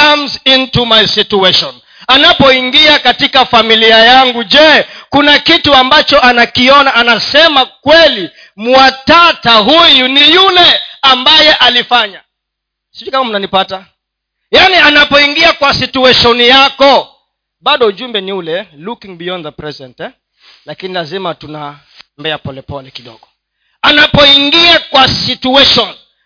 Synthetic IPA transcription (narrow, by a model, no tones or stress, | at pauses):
kamzĩntumajsituɛʃɔ̃n | anapɔiŋɡiakatikafamiliajaŋɡuʄɛkunakituambat͡ʃɔʔanakiɔnaʔanasɛmakwɛli | muwatataɦujunijulɛambajɛʔalifaɲa | sid͡ʒukamamunanipata | janianapɔiŋɡiakwasituɛʃɔnijakɔ | ɓaɗɔuʄumbɛniulɛlukiŋbiɔnðapɾɛzɛntɛ | lakinilazimatuna | mbɛapɔlɛpɔlɛkiɗɔ̰ɠɔ | anapɔiŋɡiakwasituɛʃɔn